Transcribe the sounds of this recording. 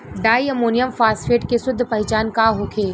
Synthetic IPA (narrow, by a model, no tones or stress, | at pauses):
ɖaːiɐmoːnijəmfaːsʈfeːʈkesʊd̪ʱːpɐɦɪt͡ʃaːnkaɦoːkʰeː